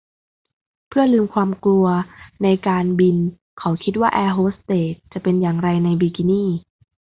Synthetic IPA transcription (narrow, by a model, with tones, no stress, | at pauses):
pʰɯ˥˩ɐlɯː˧mkʰwaː˧mklu˧ɐna˧jkaː˧nbi˧n | kʰa˨˩˦wkʰi˦˥t̪̚waː˥˩ʔɛː˧ɦoː˦˥st̪eː˨˦t̪̚t͡ɕa˨˩ʔpe˧njaː˨˩ŋɾa˧jna˧jbiː˧ki˧niː˥˩